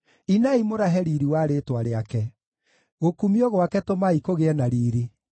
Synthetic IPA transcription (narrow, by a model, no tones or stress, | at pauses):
inaimoɾaɦɛɾiɾiwaːɾetwaɾeakɛ | ɣokumiɔɣwakɛtomaikoɣeɛnaɾiːɾi